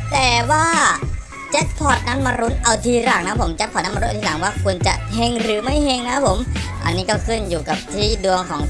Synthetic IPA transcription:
t̪ɛː˨˩waː˥˩ | t͡ɕe˦˥t̪̚pʰɔ˨˩t̪̚na˦˥nma˧ɾu˦˥nʔa˧wt̪ʰiː˧ɾaː˨˩k̚na˦˥pʰo˩˦mt͡ɕe˦˥pʰɔ˧˩na˦˥ma˧ɾu˦˥˧aː˨˩˦ŋwaː˥˩kʰu˧ənt͡ɕa˨˩ʔhe˧ŋɾɯː˩˦ma˥˩jhe˧ŋna˦˥pʰo˩˦mʔa̰˧nːiː˦˥kɔː˥˩kʰɯ˥˩njuː˨˩ka˨˩p̚t̪ʰiː˥˩du˧əŋkʰɔː˩˦ŋ

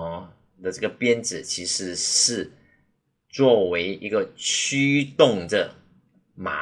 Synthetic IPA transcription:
d̪ə˨ʈ͡ʂə˥˩ɡə˩pjɛ˥nt͡sɻ̩˨˩t͡ɕʰi˧˥ʂɻ̩˧˥ʂɻ̩˥˩ | t͡swɔ˥˩we˧˥ɪi˧˥ɡə˨t͡ɕʰy˥t̪ʊ˥˨˩ŋd̪ə̰˨˩ | ma̰˨˦

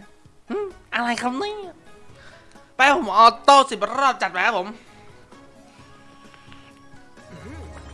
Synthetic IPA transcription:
ʔɯ˧˩ʔa˧ɾa˧jkʰa˧˥wnɯ˥˨˧ | pa˧kʰa˥˩pʰo˩˦mʔɔː˧˩t̪oː˥˩si˨˩p̚ɾɔː˥˩p̚t͡ɕa˨˩t̪̚pa˧ka˦˥pʰo˩˦m

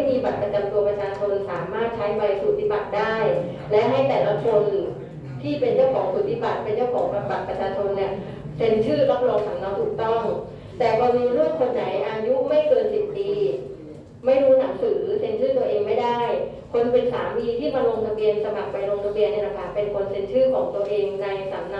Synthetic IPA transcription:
a˥˩jmiː˧ba˨˩t̪̚pɾa˧t͡ɕa˧mt̪u˧ɐpɾa˧t͡ɕʰaː˧t͡ɕʰo˧nsaː˩˦maː˥˩t̪̚t͡ɕʰa˦˥jba˧jsuː˨˩t̪ʰi˦˩ba˨˩t̪̚daː˥˩j | lɛ˦˥ɦa˥˩jt̪ɛː˨˩la˦˥kʰo˧n | t̪ʰiː˥˩pe˧nt͡ɕɔː˥˩wkʰɔː˨˩˦ŋsuː˨˩t̪ʰi˦˥˩ba˨˩t̪̚pe˧nt͡ɕɔ˥˩wkʰɔː˩˦pa˧ba˨˩t̪̚pɾa˧t͡ɕʰaː˧t͡ɕʰo˧nːi˧˥˩ɐ | se˧nt͡ɕʰɯː˥˩ɾa˦˥p̚lɔː˧ŋk̪ʰa˨˩˦ŋnɔː˦˥wt̪ʰuː˨˩k̚t̪ɔ˥˩ŋ | t̪ɛː˨˩bɔː˧nuː˧˦˥ɾu˥˩əŋkʰo˧nːa˩˦jʔaː˧ju˦˥ma˥˩jkɤː˧nsi˨˩p̚t̪iː˧ | ma˥˩jɾuː˦˥na˩˦ŋsɯː˩˦se˨˧˦nt͡ɕʰɯː˥˩t̪u˧əʔeː˧ŋma˥˩jda˥˩j | kʰo˧npe˧nsaː˩˦mwiː˧t̪ʰiː˥˩maː˧lo˧ŋt̪ʰa˧bi˧ənsa˧ma˨˩k̚pa˧jlo˧ŋt̪ʰa˧bi˧ənʔa˧ɾa˧pʰaː˧˩npe˧nkʰo˧nse˩˦nt͡ɕʰɯː˥˩kʰɔː˩˦ŋt̪u˧əʔeː˧ŋna˧jsaː˩˦mna˦˧

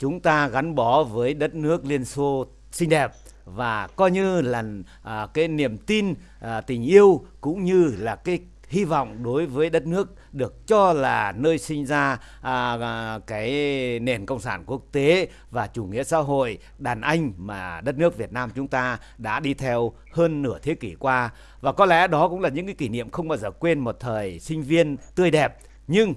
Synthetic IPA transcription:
t͡ɕʊ˨˦ŋ͡mt̪aː˧ɣa˨˦nɓɔ˨˦vəː˨˦jɗə˦˥t̚nɨ˦˥ək̚li˧ənso˧ | sï˧ŋ̟ɗɛ˨˩p̚ | vaː˨˩kɔ˨˧˦jɲɨ˧laː˨˩ | kaː˨˦jni˧˩əmt̪i˧n˨˩ | t̪ï˨˩ŋ̟ʔi˧əwkʊ̰˧˥ŋ͡mɲɨ˧laː˨˩kaː˨˦j | hi˧vɔ̰˧˨wŋ͡mɗo˨˦jvəː˨˦jɗə˦˥t̚nɨ˦˥ək̚ɗɨ˨˩ək̚t͡ɕɔ˧laː˨˩nəː˧jsï˧ŋ̟zaː˧ | kaː˨˦jne˨˩nkə̰˧˨wŋ͡msaː˧˩nku˦˥ək̚t̪e˨˦ | vaː˨˩t͡ɕu˧˩ŋḭ˧˥əsa̰ː˧˥ɦo̰˧˨j | ɗaː˨˩nʔa˧jŋ̟maː˨˩ɗə˦˥t̚nɨ˦˥ək̚vi˨˩ət̚naː˧mt͡ɕʊ˨˦ŋ͡mt̪aː˧ | ɗa̰ː˧˥ɗi˧t̪ʰɛ˧w | həː˧nːɨ˧˩ət̪ʰe˨˦ki˧˩kwaː˧ | vaː˨˩kɔ˨˦lɛ̰˧˥ɗɔ˨˦kʊ̰˧˥ŋ͡mlaː˨˩ɲɨ̰˧˥ŋkaː˨˦ki˧˩nḭ˧˨əmxə˧wŋ͡mɓaː˧wzəː˨˩kwe˧nmo˨˩t̚t̪ʰəː˨˩jsï˧ŋ̟vi˧ənt̪ɨ˧əjɗɛ˨˩p̚ | ɲɨ˧ŋ

